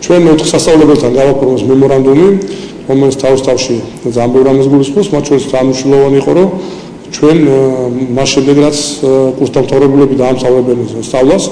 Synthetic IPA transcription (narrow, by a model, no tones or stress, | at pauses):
t͡ʃʰwɛnɔt̪ʰχsast̪sʼavlɛbɛlt̪ʰanɡavapʰɔɾmɛsmɛmɔɾand̪umi | ɾɔmɛlit̪sʰt̪ʰavist̪ʼafʃi | d̪zaːnbɛvɾamɛsɡulisqʼɔpsmat̪̚ʰt͡ʃʰɔɾisd̪zaːnmniʃwnɛlˠɔvaniiqʼɔɾɔ | t͡ʃʰwɛnmasʃɛmd̪ɛɡɾat̪sʰkʼuɾsd̪amt̪ʰavɾɛbulɛbid̪aːmt̪ʰavɾɛbɛnst̪sʼavlˠas